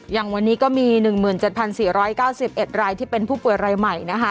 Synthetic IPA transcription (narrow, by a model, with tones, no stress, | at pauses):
ja˨˩ŋwa˧nːiː˦˥kɔː˥˩miː˧nɯ˨˩ŋmɯː˨˩nt͡ɕe˨˩t̪̚pʰa˧nsiː˨˩ɾɔː˦˥jkaː˥˩wsi˨˩p̚ʔe˨˩t̪̚ɾaː˧jt̪ʰiː˥˩pe˧npʰuː˥˩pu˨˩əjɾaː˧jma˨˩jna˦˥kʰa˦˥˩